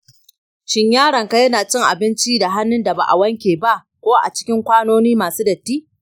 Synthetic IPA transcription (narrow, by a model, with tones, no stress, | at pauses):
ʃɪ˦ɲjaː˦ɽɐ˨ŋka˦jɐ˦naː˨t͡ʃɪ˦ŋʔa̰˨bɪ˦nt͡ʃi˦da˨ɦa˦nːʊ˦nda˨ba̰˨ʔa̰˨wɐ˦ŋkʲeː˨ba˦ʔ | kʷoː˦ʔa̰˨t͡ʃɪ̥˦kʲɪ˦ŋkʷaː˦noː˦niː˦maː˨suː˦dɐ˨tːiː˦